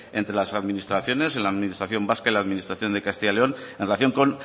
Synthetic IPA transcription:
e̞nt̪ɾe̞lasaðminist̪ɾaθjo̞ne̞senlaðminist̪ɾaθjo̞mbaskailaðminist̪ɾaθjo̞nd̪e̞kast̪iʝaleo̞n | enrelaθjo̞ŋko̞n

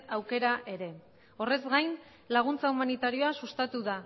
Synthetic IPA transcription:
awke̞ɾaʔe̞ɾe̞ | o̞re̞zɡajn | laɣ̞unt͡saumanit̪aɾio̞asust̪at̪uða

